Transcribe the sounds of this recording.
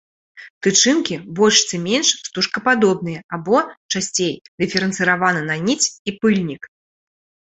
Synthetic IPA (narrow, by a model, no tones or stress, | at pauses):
t̪ɨt͡ʂɨnkʲibɔlʲʂt̪sɨmʲenʂst̪uʂkɐpad̪ɔbnɨjɐabɔt͡ʂasʲt͡sʲejd̪ɨfʲɛɾɨnt̪sɨɾavanɨnɐnʲit͡sʲipɨlʲnʲik